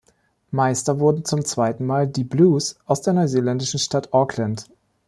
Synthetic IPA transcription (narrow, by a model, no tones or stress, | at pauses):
maɪstɐvʊɐdn̩t͡sʊmt͡sv̥aɪtn̩maːldiːbluːsʔaʊsd̥eːɐnɔɪzeːlɛndɪʃn̩ʃtatʔɔkʰlɛnt